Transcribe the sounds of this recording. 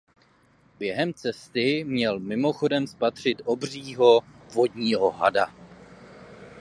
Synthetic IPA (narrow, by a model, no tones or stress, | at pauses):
bjɛɦɛmt͡sɛst̪ɪmɲɛlmɪmo̞xo̞dɛmspat̪r̝̥ɪt̪ʔo̞br̝iːɦo̞vo̞dɲiːɦo̞ɦa̰da